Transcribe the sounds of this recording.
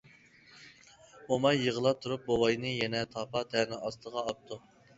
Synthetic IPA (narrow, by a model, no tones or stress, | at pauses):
omɑjːəʁəlˠɑp̚t̪ʰuɾup̚bowɑjnɨjɛnɛt̪ʰɑpɑt̪ʰɛɾnɪɑst̪ʰəʁɑːp̚t̪ʰu